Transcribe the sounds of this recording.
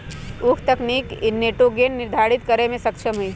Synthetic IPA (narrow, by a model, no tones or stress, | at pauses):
ʊkʰt̪ɐkniːkneːʈoɡeːnːɪɾd̪ʱaːɾɪt̪kɐɾemẽsɐkʃʰəmɦui